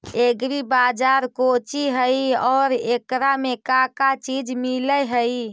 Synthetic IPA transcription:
eɡɾibad͡ʒaɾkot͡ʃiɦəiɔːɾekɾamekakat͡ʃid͡ʒmiləɦəi

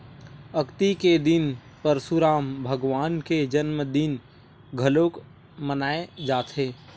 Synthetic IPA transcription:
ɐkt̪iked̪ɪn | pəɾsuɾaːmbʱəɡʋaːnked͡ʒənməd̪ɪn | ɡʱɐloːk | mənaːed͡ʒaːt̪ʰɦeː

